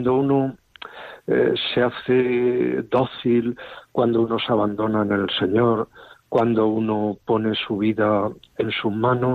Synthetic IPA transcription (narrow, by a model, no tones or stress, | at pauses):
nd̪ouno | seaθed̪o̞θilkwand̪ouno̞saβand̪o̞naene̞lse̞ɲo̞ɾkwand̪ounopo̞ne̞suβ̞iðae̞nsumãno